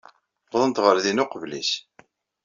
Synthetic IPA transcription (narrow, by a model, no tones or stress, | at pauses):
wðˤənt̪ʁəɾðinʊqvlis